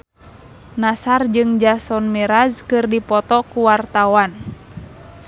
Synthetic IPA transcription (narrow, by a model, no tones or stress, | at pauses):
nasard͡ʒɨŋd͡ʒasɔnmɛɾazkɨrdipɔt̪ɔkuwart̪awan